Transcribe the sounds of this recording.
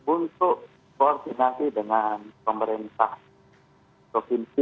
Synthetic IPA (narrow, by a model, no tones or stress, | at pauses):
bunt̪ʊʔ | koɔrd̪inasidəŋanpəməɾint̪ah | pɾofinsi